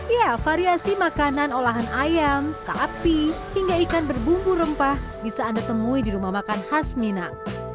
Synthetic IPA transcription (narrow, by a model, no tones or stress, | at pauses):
ijafaɾiasimakananolaɦanajamsapi | hiŋɡaikanbərbuŋɡuɾəmpahbisaːndat̪əmuidiɾumahmakanhasmina